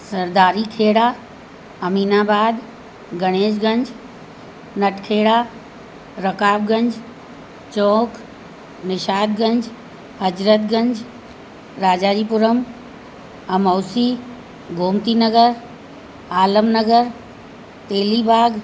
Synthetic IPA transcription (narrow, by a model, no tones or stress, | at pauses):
sɐɾd̪aːɾikʰeːɽaː | ɐmiːnaːbaːd̪ | ɡɐɽ̃eːd͡ʒɡə̃ɲd͡ʒ | nɐʈʰkʰeːɽaː | ɾəkaːbɡə̃ɲd͡ʒ | t͡ʃɔːk | nɪʃaːd̪ɡənd͡ʒ | ɦəd͡ʒɾət̪̚ɡə̃ɲd͡ʒ | ɾaːd͡ʒaːd͡ʒiːpʊɾəm | ɐmɔːwsiː | ɡʱoːmt̪inəɡəɾ | aːləmnəɡəɾ | t̪eːlibʱaːɡ